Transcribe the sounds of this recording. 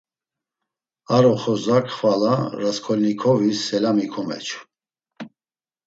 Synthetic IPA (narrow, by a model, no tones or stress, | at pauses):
aɾɔχɔzakχvalaɾaskʰɔlnikʰɔvisːɛlamikʰɔmɛ̰t͡ʃʰ